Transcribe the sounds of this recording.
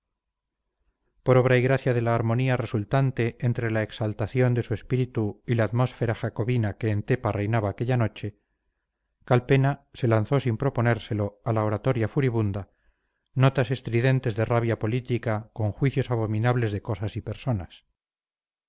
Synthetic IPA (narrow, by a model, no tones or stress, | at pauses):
po̞ɾo̞βɾaiɣɾaθjaðe̞laːɾmo̞niare̞sult̪ant̪e̞ʔent̪ɾe̞laeksalt̪aθjo̞nd̪e̞sue̞spiɾit̪uilaːt̪mo̞sfe̞ɾaxako̞βinake̞ːnt̪e̞pare̞jnaβaːkeʎano̞t͡ʃe̞ | kalpe̞nase̞lan̟θo̞simpɾo̞po̞ne̞ɾse̞lo̞alaoɾat̪o̞ɾjafuɾiβund̪a | no̞t̪ase̞st̪ɾiðe̞nt̪e̞zðeraβ̞japo̞lit̪ikako̞ŋxwiθjo̞saβ̞o̞mĩnaβle̞zðe̞ko̞sasipeɾso̞nas